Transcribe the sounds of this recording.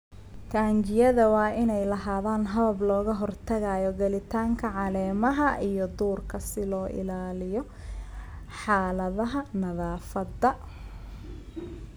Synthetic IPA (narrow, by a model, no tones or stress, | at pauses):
kʰaːɲt͡ʃɪjɐðɐwɑːʔɪnɛjlɐɦaːðaːnɦɐβɐblɔːɣɐɦɔrt̪ʰɐɣajɔɡɐlɪt̪ʰaːŋkʰɐʕɑlɛːmɐɦɐʔijɔd̪uːrkʰɐsɪlɔːʔɪ̰laːlɪjɔ | ħaːlɐðɐɦɐnɐðaːfɐd̪ɐ